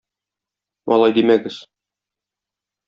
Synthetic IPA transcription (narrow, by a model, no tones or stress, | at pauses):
mɒ̰lˠɑjd̪imæɡɘz̥